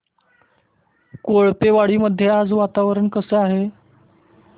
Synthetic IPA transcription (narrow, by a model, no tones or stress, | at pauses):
koɭpeʋaɽiːməd̪ʱːjead͡zʋat̪aʋɾəɳkəseaɦe